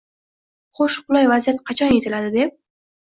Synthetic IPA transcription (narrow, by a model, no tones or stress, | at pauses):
χoʃqʊlˠajvazijat̪qʰɑt͡ʃʰɒnjet̪ʰɪlad̪ɪd̪e̞p̚